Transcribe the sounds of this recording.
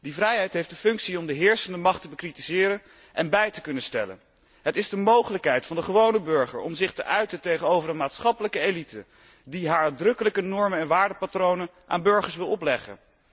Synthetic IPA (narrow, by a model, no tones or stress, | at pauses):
d̥ivrɛjɦɛjtɦejfdəfɵŋksiɔmdəɦɪːɹsəndəmɑχtəbəkritizɪːɾə | ʔɛnbɛjtəkɵnənstɛ̰lə̰n | ɦətɪzdəmowχələkɦɛjtfɑndəχəʋownəbɵɹχə̰ɹɔ̰mzɪχtə̰ʔœɥtətejχənowvərənmaːtsχɑpələkəelitə | diɦaːɹdrɵkələkənɔɹmənɛnʋaːɹdəpatrownən | ʔa̰ːnbɵɹχəɹsʋɪlˠɔplɛχə̰n